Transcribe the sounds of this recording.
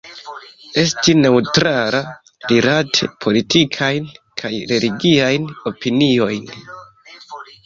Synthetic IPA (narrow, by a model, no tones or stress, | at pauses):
e̞stine̞utɾala | lilatʰe̞̰pʰo̞litikʰajn | kʰajɾe̞liɡiajno̞pinio̞jn